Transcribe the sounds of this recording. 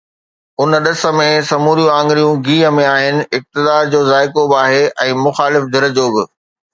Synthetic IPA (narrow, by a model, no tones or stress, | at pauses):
ʊnəɗɐsə̆mẽsɐmuːɾijũãːŋɡɪɾijũɡiːɦə̆mẽaːɦɪnɪ̆ɪk̚t̪ɪd̪aːɾd͡ʑoːzaːɪkoːbaːɦeɛ̃ːmʊxaːlɪfd̪ʱɐɾəd͡ʑoːbɪ